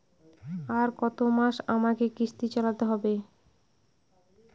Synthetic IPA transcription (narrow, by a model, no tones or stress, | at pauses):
aɾkɔt̪omaʃamakekɾiʃt̪it͡ɕalat̪eɦɔbe